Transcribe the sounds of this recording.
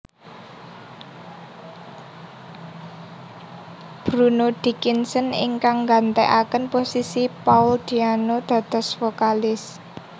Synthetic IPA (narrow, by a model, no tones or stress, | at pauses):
b̥ɾunod̪̥i̤kinsənɪ̰ŋkaŋɡant̪eʔakənposisipaʊld̪̥ianod̪̥ä̤d̪̥ɔ̤sfokalɪs